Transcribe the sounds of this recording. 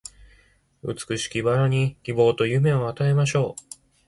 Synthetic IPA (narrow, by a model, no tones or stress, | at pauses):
ɯ̰t͡sɨ̥kɯ̟ɕi̥kʲibaɾaɲ̟ikʲibo̞ːt̪o̞jɯ̟me̞oβat̪ae̞maɕo̞ː